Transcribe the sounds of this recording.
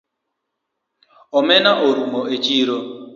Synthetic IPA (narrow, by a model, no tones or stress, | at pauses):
ɔmenaʔoɾumoet͡ʃiːɾo